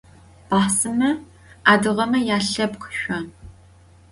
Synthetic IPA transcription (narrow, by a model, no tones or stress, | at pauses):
b̥aħsɨmɐ | aːdɨʁɐmɐjaːɬɐpqʰʃʷɔn